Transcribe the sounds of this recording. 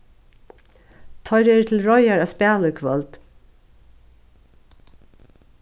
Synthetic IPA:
t̪ʰɔʏɾɛt̪ʰɪl̩ɹɔjaɹaspæːləkʰʋœlt̪

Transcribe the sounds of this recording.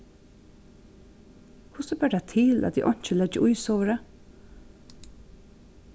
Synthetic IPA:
kʰʊsəbøːɖæt̪ʰɪlʔɑ̰t̪d̪ḭːʔɔɲ̥t͡ʃəlɛd͡ʒəʔʊʏsoːʋəɾə

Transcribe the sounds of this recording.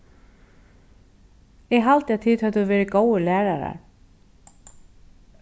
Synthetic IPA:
jɛɣɦalt̪ɪaðtθʰiːðhœðʏvɛːɾɪkoːwʏlɛːɾaɾa̰ɾ̥

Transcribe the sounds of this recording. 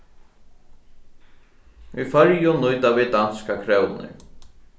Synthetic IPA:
ifœɾjʊnʊjt̪avɪd̪anskakʰɾɛwnɪ̰ɾ

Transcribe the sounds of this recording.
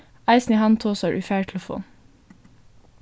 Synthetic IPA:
æɪsnihɑnt̪ʰoːsɑɹʔʉːfæːɹʈʰl̩əfṵːn

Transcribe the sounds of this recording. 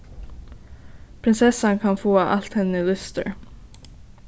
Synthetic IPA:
pʰɾɪnsɛsɑnkʰɑnfoːɑʔɑlt̪hɛnəlʉst̪ə̰ɹ

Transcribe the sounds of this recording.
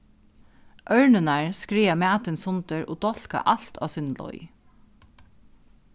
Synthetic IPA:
ʔœɹnənaɹskɾɹiːamæːt̪ɪnsʊnt̪əɹʔo̰ːd̪ɔl̥ka̰ʔal̥t̪a̰ːsʏnlɔ̰ʏ

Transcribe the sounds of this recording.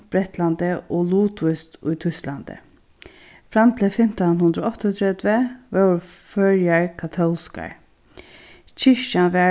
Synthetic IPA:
b̥ɾɛht̪land̪əʔɔluːt̪ʰvɪst̪ʊ̰jt̪ʰʏst̪land̪ə̰ | fɾamt̪ʰɪlfɪm̥t̪anhʊnd̪ɾəɔht̪ɔt̪ʰɾɛd̪ʋəʋɛ | fœːɾjaɹkʰat̪ʰɔlska̰ɹ | t͡ʃʰɪʂt͡ʃanʋɛ

